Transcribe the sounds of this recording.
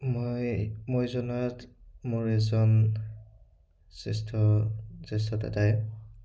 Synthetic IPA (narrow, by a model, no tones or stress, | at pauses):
mojmojzɔnɔjatmʊɹɛzɔn | sestʰɔses̬tɔta̰taj